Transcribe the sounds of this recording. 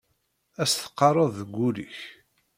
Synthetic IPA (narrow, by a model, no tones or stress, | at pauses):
æsθə̥qːɑrˤɑðˤðəɡʷːulḭç